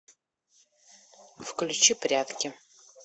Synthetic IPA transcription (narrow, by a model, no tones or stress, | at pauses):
fklʲʉt͡ɕipɾʲat̪kʲɪ